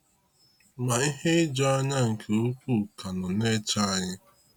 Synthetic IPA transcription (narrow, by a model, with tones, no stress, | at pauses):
ma˨i˦ɦe˦ɪ˦d͡ʒɔ˦a˦ɲa˦ŋ̩˨kʰe˨o˦kʷu˦˨ka˨nɔ˨ne˦t͡ʃa˦a˦ɲɪ˦